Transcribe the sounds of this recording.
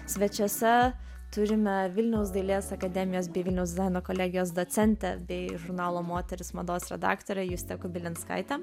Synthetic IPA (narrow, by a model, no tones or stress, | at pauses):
sʲʋʲɛt͡ʃʲoːsʲɛ | t̪ʊɾʲɪmʲɛʋʲɪlʲnʲɛʊsd̪ɐɪlʲeːsɐkɐd̪ʲɛmʲɪjoːs̬bʲɛɪʋʲɪlʲnʲɛʊsd̪ʲɪzɑɪnoːkoːlʲæːɡʲɪjoːs̬d̪oːsʲɛnʲt̪ʲɛ̰bʲɛɪʒʊɾnɑːlˠoːmoːt̪ʲɛɾʲɪsmɐd̪oːsɾʲɛd̪ɑ̰ːkt̪oɾʲɛjuːsʲt̪ʲɛkʊbʲɪlʲɪnt̪skɐ̰ɪt̪ʲɛ